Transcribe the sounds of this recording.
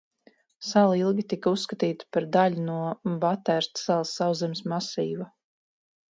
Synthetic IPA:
salˠilˠɡʲit̪ikusːkat̪iːt̪paɾd̪aʎʲunuɔvat̪æɾst̪salˠsːawzɛmsmasiːva

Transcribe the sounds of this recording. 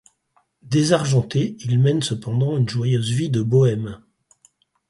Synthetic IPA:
d̪ezaʁʒɑ̃t̪eilmɛnsəpɑ̃d̪ɑ̃ynʒwajøzvid̪əbɔɛm

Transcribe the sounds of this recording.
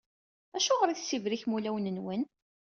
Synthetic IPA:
æʃʊʁəɾiθsːivɾiçmulæwnənwən

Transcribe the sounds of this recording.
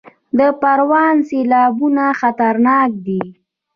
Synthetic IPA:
d̪əpaɾwɑnselɑbunaxat̪aɾnɑk̚d̪i

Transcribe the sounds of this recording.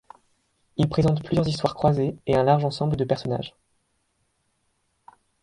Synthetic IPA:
ilpχezɑ̃t̪plyzjœʁzist̪waʁkχwazeeɛ̃laʁʒɑ̃sɑ̃bləd̪əpɛʁsɔna̰ʒ

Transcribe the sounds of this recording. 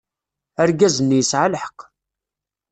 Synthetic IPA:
æɾɡæzənːjəsʕalħə̥qː

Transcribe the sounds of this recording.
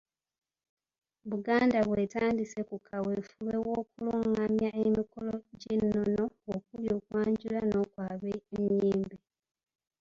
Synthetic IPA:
βuɡaːndaβwe̞taːndise̞kukʰawe̞fuβe̞wo̞ːkuluŋamjaʔemiko̞lo̞ɟenːo̞no̞okuβjo̞ːkwaːɲɟulano̞kwaːβeːmiːmbi

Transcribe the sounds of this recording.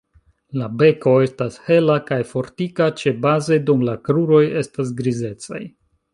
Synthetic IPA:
labe̞ko̞e̞stashe̞lakajfo̞ɾtikat͡ʃe̞baze̞dumlakɾuɾo̞je̞stas̬ɡɾize̞t͡sa̰j

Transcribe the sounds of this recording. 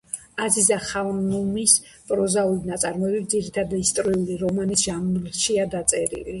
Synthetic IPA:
azizaχanumis | pʼɾɔzaulinat̪sʼaɾmɔɛbid̪ziɾit̪ʰad̪aist̪ʼɾiuliɾɔmanit̪sʰʒamlʃiad̪at̪sʼɛɾḭli

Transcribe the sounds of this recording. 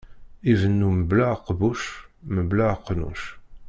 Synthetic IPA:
ivənːuməblaqbuʃməblaqːnṵʃ

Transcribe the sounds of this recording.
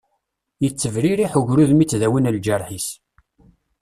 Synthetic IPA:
jət͡sːəvɾiɾiħʊʝɾuðmit͡sːðæwinæld͡ʒəɾˤħis

